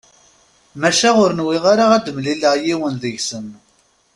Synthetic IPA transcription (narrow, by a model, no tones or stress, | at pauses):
mæʃæʁʊɾnwiʁaɾaʁæd̪əmliləʁjiwənðəʝsən